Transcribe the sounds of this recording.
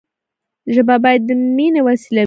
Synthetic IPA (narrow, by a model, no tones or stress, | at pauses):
ʒəbabɑjad̪ːəminewasila